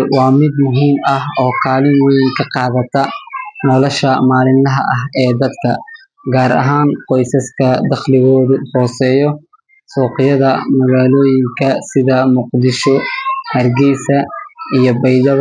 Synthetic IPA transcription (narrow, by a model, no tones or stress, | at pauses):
wɑːmɪd̪mʊɦiːmɐhɔːkʰaːlɪmwɛjŋkʰɐqɑːðɐt̪ʰɐnɔlɔʃɐmaːlɪnlɐɦɐʔɐɦɛːd̪ɐd̪kʰɐ | ɡaːɾʔɐ̰ɦaːnqɔjsɐskʰɐd̪ɐχlɪɣɔːðʊhɔːsɛːjɔ | sɔːqɪjɐðɐmɐɣaːlɔːjɪŋkʰɐsɪðɐmuːqd̪ɪʃɔhɐrɡɛjsɐijɔbɐjd̪ɐβ